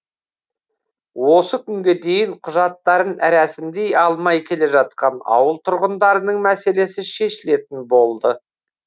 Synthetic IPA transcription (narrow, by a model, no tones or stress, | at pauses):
wo̞səkʲʰʏŋɡʲe̞d̪e̞jɪɴqʰʊʒɑt̪ːɑɾənɾæsɪmd̪e̞jɑlˠmɑjkʲʰe̞le̞ʒɑt̪̚qɑnɑ̰wəlˠt̪ʰʊɾʁənd̪ɑɾənəɴmæse̞le̞sɪʃe̞ʃɪle̞t̪ɪnbo̞lˠd̪ə